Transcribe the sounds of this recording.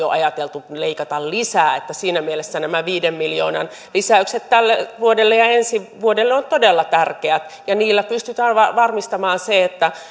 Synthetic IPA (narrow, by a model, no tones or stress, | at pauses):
o̰ʔɑjɑt̪elt̪uleikɑt̪ɑllisæːet̪ːæsiːnæmielesːænæmæʋiːdemmiljo̰ːnɑ̰n | lisæykset̪t̪ælːeʋuodelːejɑensiʋuodelːeont̪odelːɑt̪ærkeæt̪ | jɑniːlːæpyst̪yt̪æːnʋɑʋɑrmist̪ɑmɑːnseet̪ːæ